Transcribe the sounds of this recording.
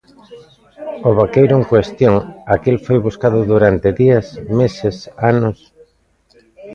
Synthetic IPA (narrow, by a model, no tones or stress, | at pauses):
oβakejɾʊeŋkwest̪joŋakelfojβuskaðʊðuɾant̪ɪðiasmesɪsanʊs